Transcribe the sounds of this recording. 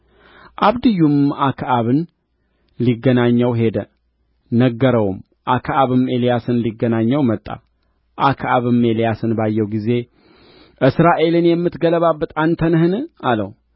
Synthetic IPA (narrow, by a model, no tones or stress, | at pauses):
ʔaβd̪ɨjːumakʰʔaβɨn | liɡːənaɲːəwɦe̞d̪ə | nəɡːəɾəwum | ʔakʰʔaβɨme̞lijasɨnliɡːənaɲːəwmət̪ʼːa̰ | ʔakʰʔaβɨmelijasɨnbajːɛwɡize̞ | ʔɨsɾaʔe̞lɨnjɛmːɨt̪ɡələβabːət̪ʼant̪ʰənhɨnɨʔalə̰w